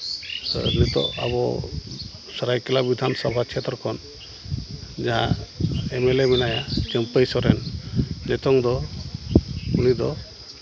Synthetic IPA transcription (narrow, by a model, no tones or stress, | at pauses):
nit̪ɔ̰a̰βɔ | sɔɾajkɛlabid̪ʱansɔbʱakʰɛt̪ɾɔkʰɔn | d͡ʒaɦã̰emelemɛnajat͡ʃəmpəjsɔɾɛnːɛt̪ɔŋd̪ɔ | unid̪ɔ